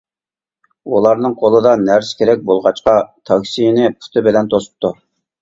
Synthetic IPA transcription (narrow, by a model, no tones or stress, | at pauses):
ulˠɑɾnɨŋqʰolˠɨd̪ɑnæɾskʲʰeɾɛk̚ʲbolˠʁɑt͡ʃqɑt̪ʰɑkʲsijnɪpʰu̥t̪ʰɨbɪlɛnt̪ʰosu̥p̚t̪ʰu